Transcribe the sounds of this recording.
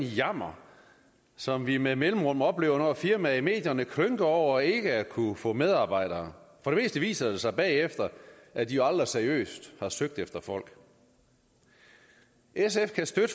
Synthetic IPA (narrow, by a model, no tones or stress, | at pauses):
jɑm̰ɐ | sɒ̽mʋimemelm̩ʁɔ̽m̰ɒ̽b̥le̝̰ːʊɐnɒfiɐmæime̝̰ːd̥jɐnəkʰʁøŋɡ̥əɒʊ̰ɐe̝ɡ̥əækʰufɔ̰̽með̞ˠɑ̈ːb̥ɑ̈ɪ̰ɾ̥ɐːfɒ̽ɾe̝me̝̰ːsd̥əʋḭːsɐd̥e̝sɑ̈ɪb̥ɛ̰ːefd̥ɐʔæd̥ijo̝ɑld̥ʁɐseɐiø̰ːsd̥hɑ̈søɡ̥̚d̥efd̥ɐfɒ̽l̰ɡ̥ | es̬efkʰæsd̥ød